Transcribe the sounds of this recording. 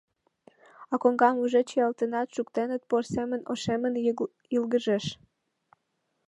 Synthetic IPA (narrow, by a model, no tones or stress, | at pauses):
ɑkoŋɡɑmuʒet͡ɕeɑlt̪ənɑt̪ʃukt̪enət̪̚porsemə̆noʃemən | ilɡəʒeʃ